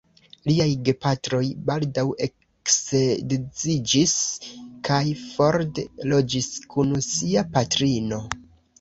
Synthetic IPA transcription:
liajɡe̞patɾo̞jbaldawe̞k | ksedezid͡ʒiskʰajfo̞ɾdelo̞d͡ʒiskʰunsiapatɾino̞

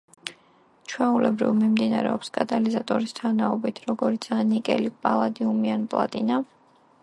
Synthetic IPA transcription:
t͡ʃʰwɛulɛbɾḭvmimd̪inaɾɛ̰ɔpskʼat̪ʼalizat̪ʼɔɾist̪ʰanaɔbit̪ʰɾɔɡɔɾit̪sʰanikʼɛ̰lipʼalˠad̪iumianpʼlˠa̰t̪ʼina

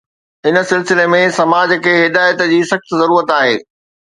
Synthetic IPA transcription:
ɪnə̆sɪlsɪlemẽsɐmaːd͡ʑkʰeːɦɪd̪aːjət̪d͡ʑiːsɐxt̪zɐɾuːɾət̪aːɦḛː

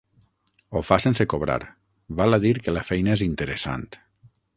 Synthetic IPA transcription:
ofasensekoβɾa̰ɾ | βalaðiɾkelafɛjnaezint̪eɾesa̰nt̪

